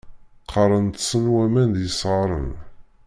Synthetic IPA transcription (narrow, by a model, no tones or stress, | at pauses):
qʰɑɾˤənt̪sənwæmænd̪jəsˤʁəɾˤə̰n